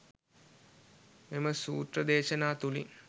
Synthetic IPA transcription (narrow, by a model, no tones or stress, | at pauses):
meməsuːt̪rəd̪eːʃɐnaːt̪ulḭ